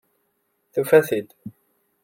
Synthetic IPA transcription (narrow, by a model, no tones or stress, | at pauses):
θufæθid̪